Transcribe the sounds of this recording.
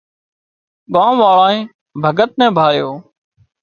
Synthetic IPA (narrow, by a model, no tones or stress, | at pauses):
ɓãːmʋaːɭaːẽː | bʱəɡət̪̚nɛ̃ːbʱaːjoː